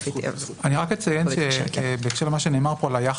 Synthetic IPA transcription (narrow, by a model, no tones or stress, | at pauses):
aniʁakmet͡sajenʃeʃbeːkʃelemaʃeneːmaʁpolajaχ